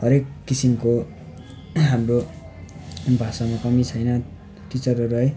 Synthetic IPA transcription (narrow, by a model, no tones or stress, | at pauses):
ɦʌɾekːisimko | ɦamro | bʱasamakʌmit͡sʰʌjnʌ | t̪it͡sʌɾʌɾuɦʌj